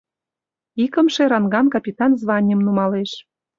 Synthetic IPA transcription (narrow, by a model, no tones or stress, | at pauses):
ikə̆mʃeɾɑnɡɑnkɑpʲit̪ɑnzβɑnʲəmnumɑleʃ